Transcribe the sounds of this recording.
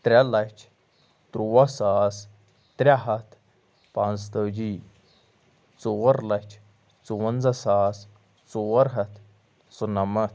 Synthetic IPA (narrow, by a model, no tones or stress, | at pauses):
t̪ɾʲalɐt͡ʃʰ | t̪ɾuwɐsaːs | t̪ɾʲaɦɐt̪ʰ | panzt̪ɐwd͡ʑiː | t͡suwɐɾlɐt͡ʃʰ | t͡suwɐnd͡zɐsaːs | t͡suwɐɾɦɐt̪ʰ | sunɐmɐt̪̚ʰ